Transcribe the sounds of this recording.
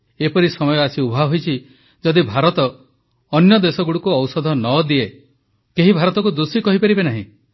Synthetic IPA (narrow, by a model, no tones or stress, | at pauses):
epɔɾisɔmɔjɔasiubʱaɦojt͡ʃʰi | d͡ʒɔd̪ibʱaɾɔt̪ɔː | njɔd̪esɔɡuɽukuɔwsɔd̪ʱɔnɔd̪ie | keɦibʱaɾɔt̪ɔkud̪usikɔɦipaɾibenaɦḭ̃